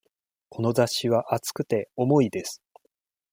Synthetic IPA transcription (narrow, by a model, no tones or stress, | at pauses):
kʰo̞no̞zaɕiβ̞aʔat͡sɨ̥kɯ̟t̪e̞o̞mo̞id̪e̞sɨ̥